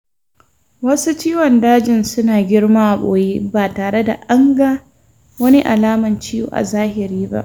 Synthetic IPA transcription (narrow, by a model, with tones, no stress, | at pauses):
wɐ˦su˦t͡ʃiː˦wɔ˨ndaː˦d͡ʒɪ˨nsʊ˦naː˨ɡʲɪ˦ɽmaː˦ʔa˨ɓo̰ː˨ji˦baː˨taː˨ɽe˦da̰˨ʔa˦ŋɡa˦ | wɐ˦ni˦ʔa˨laː˦mɐ˨nt͡ʃi˦jṵ˦ʔa̰˨zaː˦hɪ˨ɾiː˦ba̰˦ʔ